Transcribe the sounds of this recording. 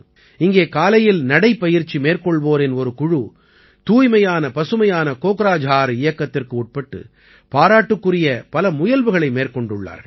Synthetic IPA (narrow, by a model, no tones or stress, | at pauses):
ɪŋɡeːkaːlɐjɪlnɐɽɐɪpːɐjɪɾt͡ʃːimeːrkɔɭʋoːɾɛnɔɾɯkʊɻu | t̪uːjmɐjaːnɐpɐsɯmɐjaːnɐkoːkɯɾaːd͡ʒɦaːɾɯɪjɐkːɐt̪ːɪrkɯuːʈ̚pɐʈːɯ̰ | paːɾaːʈːɯkːɯrɪjɐpɐlɐmʊjɐlʋɯɣɐɭɐɪmeːrkɔɳɖɯɭːa̰ːɾ